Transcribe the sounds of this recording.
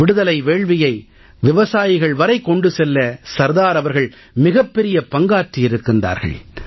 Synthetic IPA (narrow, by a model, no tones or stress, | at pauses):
ɪɽɯðɐlɐɪʋeːɭʋɪjɐɪ | ʋɪʋɐsaːjɪɣɐɭʋɐɾɐɪkːɔɳɖɯsɛlːɐsɐɾðaːɾɐʋɐɾɣɐɭ | mɪɣɐpːɛɾɪjɐpɐŋɡaːʈrɪɪɾɯkːɯnd̪a̰ːɾɣɐ̰ɭ